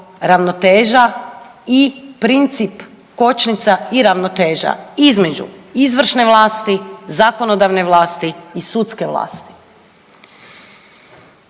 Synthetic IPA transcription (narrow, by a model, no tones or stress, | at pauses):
ɾaʋnot̪eːʒa | ipɾint̪sip | ko̞t͡ʃnit̪saiɾaʋnot̪e̞ːʒa̰izme̞d͡ʒṵizʋr̩ʃne̞ʋlˠaːst̪izako̞nod̪aʋneʋlˠaːst̪iːsut̪ske̞ʋlˠa̰ːst̪i̥